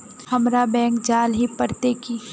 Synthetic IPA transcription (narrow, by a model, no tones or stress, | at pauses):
hɐmɾabɛ̃ːkd͡ʒaːlɦipəɾt̪eki